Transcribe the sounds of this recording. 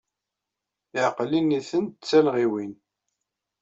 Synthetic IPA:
ɪʕqliniθənt̪t͡sːælʁiwin

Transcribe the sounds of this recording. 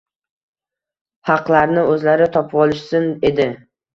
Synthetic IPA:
hɑqlaɾnɪɵzlaɾɪt̪ʰɒpʰɒlˠɪʃsɪne̞d̪ɪ

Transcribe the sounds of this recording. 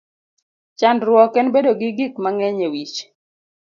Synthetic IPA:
t͡ʃandɾwɔkɛnbedoɡɪɡikmaŋɛɲewit͡ʃ

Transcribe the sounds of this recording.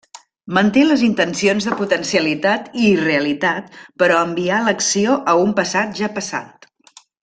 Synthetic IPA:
mənt̪eləzint̪ənsionzðəput̪ənsiəlit̪at̪iːreəlit̪at̪̚pəɾɔəmbialəksioʔəumpəsat̪ʒapəsa̰t̪

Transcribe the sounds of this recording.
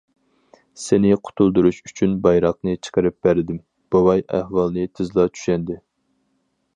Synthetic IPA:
sɪnɪqʰʊ̥t̪ʰulˠd̪uɾuʃyt͡ʃʰynbɑjɾɑq̚nɨt͡ʃʰə̥qəɾɨp̚b̥æɾɪd̪ɪm | b̥owɑjæ̰hwɑlˠnɨt̪ʰɪzlˠɑt͡ʃʰy̥ʃɛnd̪ɪ

